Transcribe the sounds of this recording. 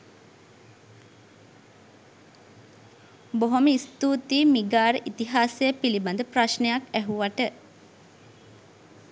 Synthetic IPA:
boɦoməist̪uːt̪iːmiɡaːɾəʔit̪iɦaːsejəpiliband̪əpraʃnejakæɦuʋaʈə

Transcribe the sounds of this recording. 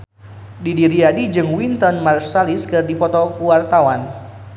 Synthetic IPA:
didiɾiadid͡ʒɨŋwint̪ɔnmarsaliskɨrdipɔt̪ɔkuwart̪awan

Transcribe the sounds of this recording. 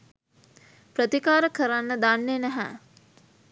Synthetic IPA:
pɾət̪ikaːɾəkəɾanːəd̪anːenæɦæ̰

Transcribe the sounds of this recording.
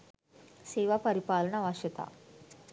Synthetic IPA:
seːʋɐpɐɾipaːlɐɳɐʋaːʂjɐt̪a̰ː

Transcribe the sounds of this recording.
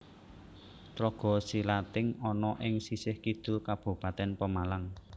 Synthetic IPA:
t̪ɾɔɡ̥ɔ̤silat̪ɪŋɔnɔʔɪŋsisɪhkid̪̥ṳkab̥ṳpat̪ɛnpəmalaŋ

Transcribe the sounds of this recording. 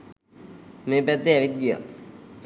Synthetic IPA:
meːpɛt̪ːeɛʋit̪̚ɡija̰

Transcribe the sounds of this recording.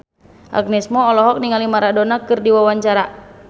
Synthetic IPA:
ʔa̰ɡ̚nɛsmɔːlɔɦɔk̚niŋalimaɾadɔnakɨrdiwawaɲt͡ʃaɾa

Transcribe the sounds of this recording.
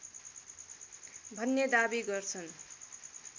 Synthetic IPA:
bʱʌnːed̪abiɡʌrt͡sʰʌn

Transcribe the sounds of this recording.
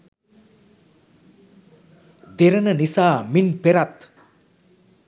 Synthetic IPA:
d̪eɾənənisaːminpeɾat̪

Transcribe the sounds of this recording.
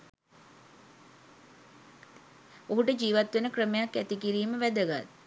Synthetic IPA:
oɦuʈəd͡ʒiːʋat̪ʋenəkrəmejakːæt̪ikiɾiːməʋæd̪əɡa̰t̪̚

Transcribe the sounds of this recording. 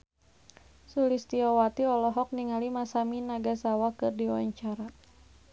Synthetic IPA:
sulist̪iawat̪iɔlɔɦɔk̚niŋalimasaminaɡasawakɨrdiwaɲt͡ʃaɾa

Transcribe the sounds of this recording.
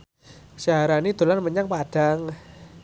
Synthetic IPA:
saɦaɾanid̪̥o̤lanməɲaŋpad̥aŋ

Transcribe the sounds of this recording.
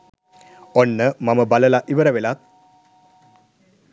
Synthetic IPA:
onːəmaməbaləlaʔiʋəɾəʋelat̪̚

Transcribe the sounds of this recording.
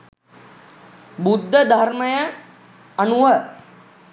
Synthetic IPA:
bud̪ʱːəd̪ʱaɾməjə | ɐnuʋə

